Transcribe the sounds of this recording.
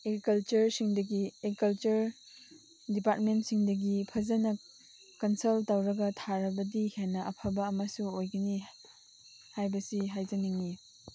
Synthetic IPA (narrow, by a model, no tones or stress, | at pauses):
eɡɾikɐlt͡ʃɐɾsiŋdɐɡieɡɾikɐlt͡ʃɐɾ | dipat̚mentsiŋdɐɡipʰɐzɐnɐ | kɐnsɐltawɾɐɡɐtʰaɾɐbɐdihenːɐʔɐpʰabɐːmɐsuojɡɐni | hajbɐsiɦajzɐniŋːi